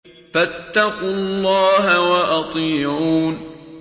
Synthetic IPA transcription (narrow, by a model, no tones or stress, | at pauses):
fat̪ːaqʊlːɑːɦawaʔɑt̪ˤiːʕuːn